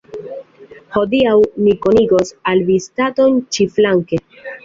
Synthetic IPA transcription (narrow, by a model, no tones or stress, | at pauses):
ho̞diawmikoniɡo̞salvistato̞nt͡ʃiflaŋke